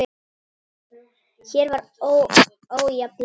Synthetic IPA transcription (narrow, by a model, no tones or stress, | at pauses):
sjɛɾvaɾo | owjapl